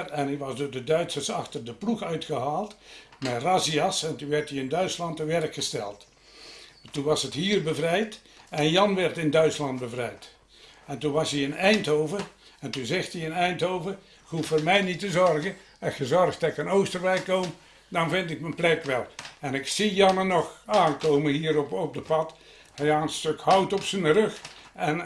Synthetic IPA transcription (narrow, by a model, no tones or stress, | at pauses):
ɛnɪkʋɑsdoːrdədœɥtsərsɑxtərdəpluxœɥtxəɦaːlˠtmɛrasiɑsɛntunʋɛrtiɪndœɥtslɑntːəʋɛrkxəstɛ̰lˠt | tunʋɑsəthiːrbəvrɛjt | ɛnjɑnʋɛrtɪndœɥtslɑnd̚bəvrɛjt | ɛntunʋɑsiənɛjnthoːvər | ɛntunzɪxtiənɛjntɦowvər | kufoːrmɛjnitəzɔrɣə | əxəzɔrɣdɑtɪkənowstərrɛjkːom | dɑnvɪntɪk̚mənplɛkʋɛlˠɛnɪksijɑnənɔxaːnkowməɦiːɾɔpɔp̚dəpɑt | hɛjaːnstøkhʌwtɔpsənərøxɛn